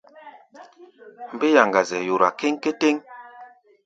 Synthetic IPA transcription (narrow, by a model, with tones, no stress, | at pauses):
m̩˨be˦ja˨ŋɡa˨zɛ˨jo˨ɾa˨ke˦ŋ˦ke˦te˦ŋ